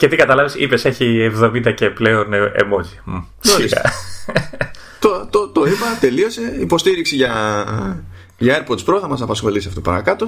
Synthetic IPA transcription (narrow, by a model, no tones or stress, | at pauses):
ce̞t̪ikɐt̪ɐlɐvisipe̞se̞çievðo̞mind̪ɐce̞pleonḛmo̞zi | soisɐ̰ | t̪ot̪ot̪o̞imɐt̪e̞lio̞se̞ipo̞st̪iɾiksiʝɐ | ʝɐeɾpot̪spɾo̞θɐmɐsɐpɐsxo̞lisiɐfot̪opɐɾɐkɐt̪o̞